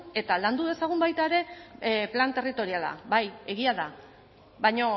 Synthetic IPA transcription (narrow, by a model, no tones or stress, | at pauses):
e̞t̪aland̪uðe̞saɣ̞umbajt̪aeɾe̞plant̪e̞rit̪o̞ɾiala̰baje̞ɣiaða | βajɲo̞